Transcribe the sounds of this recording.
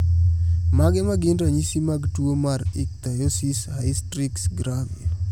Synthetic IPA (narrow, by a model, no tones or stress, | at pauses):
maɡɛmaɡɪndaɲisimaɡtuomaɾɪk̚t̪ajosishajstɾɪksɡɾavi